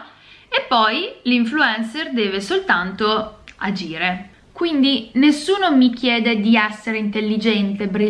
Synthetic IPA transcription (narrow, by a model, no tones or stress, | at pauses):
epːɔjliɱfluɛnserd̪ɛːvesolt̪ant̪oa̰d͡ʒiːɾe | kwind̪inesːuːnomik̟jeːd̪ed̪iɛsːeɾeint̪elːid͡ʒɛnt̪eːbɾi